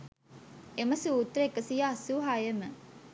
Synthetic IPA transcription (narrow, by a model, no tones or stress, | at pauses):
emɐsuut̪ːɾəekəsijasuːɦajemə